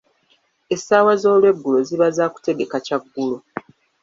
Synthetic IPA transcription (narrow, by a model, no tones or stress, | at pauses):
esaːwazo̞ːlwe̞ɡːuloziβazaːku̥te̞ɡe̞kacaɡːulo